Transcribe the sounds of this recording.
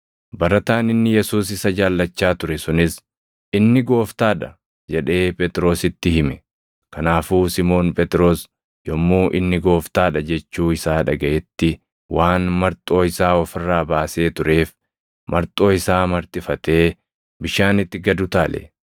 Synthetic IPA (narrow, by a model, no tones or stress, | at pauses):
bɐɾɐt̪aːnɪnːɪjɛsuːs̬ɪsɐd͡ʒaːlːɐt͡ʃːaːt̪ʊɾɛsʊnɪs | ɪnːɪɡo̞ːft̪aːᶑɐ | d͡ʒɛᶑe̞ːpʼɛt̪ʼɾo̞ːsɪt̪ːɪhɪmɛ | kɐnaːfuːsɪmo̞ːnpʼɛt̪ʼɪɾo̞ːs | jɔmːuːʔɪnːɪɡo̞ːft̪aːᶑɐd͡ʒɛt͡ʃːuːɪsaːᶑɐɡɐʔɛt̪ːɪ | waːnmɐɾt̪ʼo̞ːɪsaːɔfɪrːaːbaːse̞ːt̪ʊɾe̞ːf | mɐɾt̪ʼo̞ːɪsaːmɐɾt̪ʼɪfɐt̪e̞ː | bɪʃaːnɪt̪ːɪɡɐd̪ʊt̪aːlḛ